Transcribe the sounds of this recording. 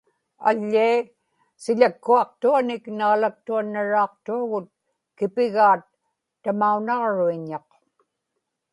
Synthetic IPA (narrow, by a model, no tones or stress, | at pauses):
a̰ʎːiː | sɪʎakːuɑq̚t̪uanɪknaːlak̚t̪uanːaɻɑːq̚t̪uaɣʊt̪̚ | kɪpɪɣaːt̪ː | amaunɑʁɻuiɲɑq